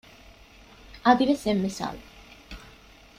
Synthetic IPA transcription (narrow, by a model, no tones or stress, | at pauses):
ad̪iɾɛsɛmːɛsa̰l